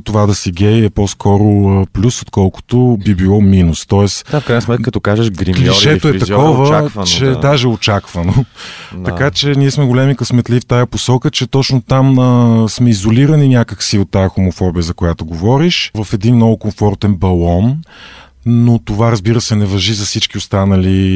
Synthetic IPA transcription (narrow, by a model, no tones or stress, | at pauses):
t̪ovad̪ɐsiɡʲɛjɛpɔskʰɔɾʊəplʲusot̪kɔlˠkʊ̥t̪obibilˠɔminust̪ɔɛsafkkɾajnəsmɛt̪kkət̪okaʒəʃɡɾimliʃɛt̪oɛɐkɔvəavt͡ʃɛd̪aʒɛot͡ʃakvɐnot̪ɐkat͡ʃɛnʲiɛsmɛɡolɛmikəsmɛt̪lift̪ajɐposɔkət͡ʃɛt̪ɔt͡ʃnot̪aməsmɛizoliɾəninʲjakəksiot̪ːajəxomʊfɔbijəzɐkojat̪oɡovɔɾiʃvɐfɛd̪inːɔvʊkoɱfɔɾt̪ɛnbɐlˠɔn | not̪ovaɾɐzbiɾəsɛnɛvɐʒizɐfsit͡ʃk̟iost̪anɐli